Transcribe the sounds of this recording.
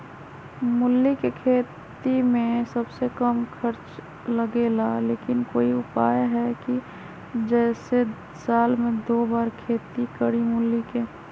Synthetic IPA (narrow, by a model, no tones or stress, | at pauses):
mʊlːikekʰeːt̪imẽsəbsekəmkʰəɾt͡ʃ | ləɡeːlaleːkɪnkoːiʊpaːjɦɛki | d͡ʒɛːse | saːlmẽd̪oːbaːɾkʰeːt̪ikəɽimʊlːike